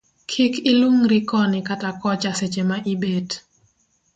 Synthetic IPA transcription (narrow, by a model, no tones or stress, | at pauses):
kʰikʰɪluŋɾɪkɔnɪkatakɔt͡ʃaset͡ʃemaʔibed